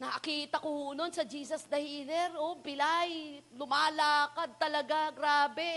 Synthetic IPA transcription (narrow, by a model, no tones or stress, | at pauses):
nɐʔɐkiːt̪ɐkohoːnonsɐd͡ʒiːsɐsd̪ɐhiːlɛɾʔopɪlajlʊmaːlaːkɐd̪̚t̪ɐlɐɡaɡɾaːbɛ